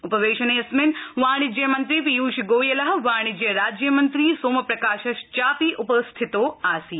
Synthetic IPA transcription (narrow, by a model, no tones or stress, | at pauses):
upɐʋeːʃɐneɐsmɪnʋaːɽ̃id͡ʒjɐmɐnt̪ɾipijuːʃiɡoːjelaɦʋaːɽ̃id͡ʒjɐɾaːd͡ʒjɐmɐnt̪ɾiːsoːmɐpɾɐkaːʃɐʃt͡ʃaːpiːʔupəst̪ʰit̪oːaːsiː